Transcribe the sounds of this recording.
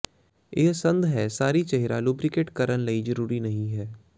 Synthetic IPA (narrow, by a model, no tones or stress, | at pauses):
ɪɦsɐ̃nd̪ɦɛːsaːɾit͡ʃɛɦɾaluːbɾɪkeʈkɐɾənlɐizɐɾuːɾinɐɦĩɦɛː